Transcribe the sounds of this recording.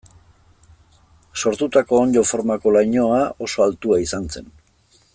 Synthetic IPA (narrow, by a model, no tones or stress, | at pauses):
so̞ɾt̪ut̪ako̞ːnd̪o̞fo̞ɾmako̞lajɲo̞ao̞so̞alt̪uaisant͡se̞n